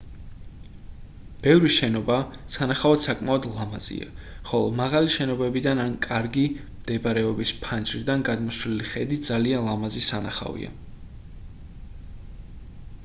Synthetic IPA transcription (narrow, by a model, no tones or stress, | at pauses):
b̥ɛvɾiʃɛnɔbasanaχavɔd̪sakʼmaɔd̪lˠamaz̥ḭa̰ | χɔlˠɔmaʁaliʃɛnɔbɛbid̪anankʼaɾɡi | md̪̥ɛbaɾɛɔbispʰand͡ʒɾid̪anɡad̪mɔʃliliχɛd̪it̪̚ʰd̪z̥alianlˠamazisanaχa̰vḭa̰